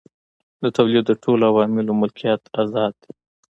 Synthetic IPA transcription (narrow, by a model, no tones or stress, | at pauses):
d̪ət̪awlidd̪əʈʰolawɑmɪlomʊlkʰijɑt̪azɑd̪̚i